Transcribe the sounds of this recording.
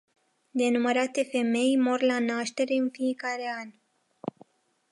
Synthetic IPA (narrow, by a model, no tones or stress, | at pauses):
d̪e̞numəɾat̪e̞fe̞me̞jmo̞rlanaʃt̪e̞ɾe̞ɨnfie̞kaɾe̞anʲ